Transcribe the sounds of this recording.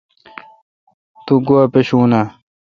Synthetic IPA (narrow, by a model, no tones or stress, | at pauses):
t̪uɡuɐpeɕuːna